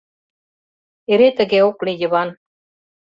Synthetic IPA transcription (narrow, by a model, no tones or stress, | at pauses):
eɾet̪ə̆ɣeoklijə̆βɑn